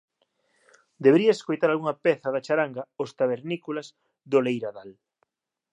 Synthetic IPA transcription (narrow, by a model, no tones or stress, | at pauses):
d̪eβeɾiɐeskojt̪aɾalɣuŋɐpɛθɐðat͡ʃaɾaŋɡɐost̪aβeɾnikulaz | d̪olejɾaðal